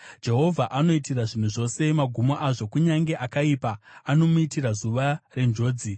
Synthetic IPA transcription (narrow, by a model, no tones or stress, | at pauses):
d͡ʒe̞ɦo̞vʱaʔano̞itiraʐin̤uʐo̞se̞maɡʱumoʔaʐo̞kuɲaŋɡe̞ʔakaipaːno̞muitiɾazuʋare̞nd͡ʒo̞ːd͡zi